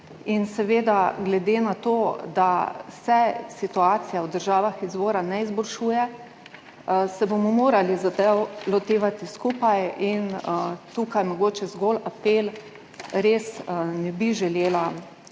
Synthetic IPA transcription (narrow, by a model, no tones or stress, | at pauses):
insɛʋeːd̪aɡlɛd̪enat̪oːd̪asɛsit̪uaːt̪sijawd̪əɾʒaːʋaxizʋoːɾanɛizbɔlʃuːjɛ | sɛbomɔmoːɾalizat̪ɛwlɔt̪eːʋat̪iskuːpajint̪ukajmɔɡoːt͡ʃɛzɡolapeːl | ɾeːsnɛbiʒɛleːla